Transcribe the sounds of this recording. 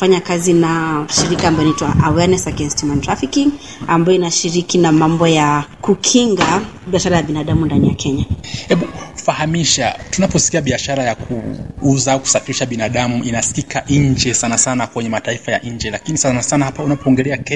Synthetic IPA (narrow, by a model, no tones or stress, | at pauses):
faɲakazinaʃiɾikaːmbajnaitwaʔawɛnɛsaɡɛnstimantɾafikiŋ | ambajɔinaʃiɾikinamambɔjakukʰiŋɡa | ɓiaʃaɾajaɓinaɗamundanija̰kɛɲahɛɓufahamiʃatunapɔsi̥kiaɓiaʃaɾajakʰuuzauku̥safiɾiʃaɓinaɗamuinaskikʰaʔɲ̩d͡ʒɛsanasanakwɛɲɛmataifaja̰ɲ̩d͡ʒɛlakinisanasanahapaunapɔɔŋɡɛlɛakɛ